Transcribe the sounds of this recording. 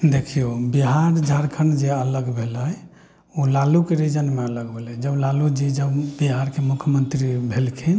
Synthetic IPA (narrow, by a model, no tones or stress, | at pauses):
d̪ekʰijobiɦaɾd͡ʒʱaɾkʰənd͡ʒeələɡbʱeləj | olalukeɾid͡ʒənmeələɡbʱelɛjd͡ʒəblalud͡ʒid͡ʒəbbiɦaɾkemukʰjəmənt̪ɾibʱelkʰin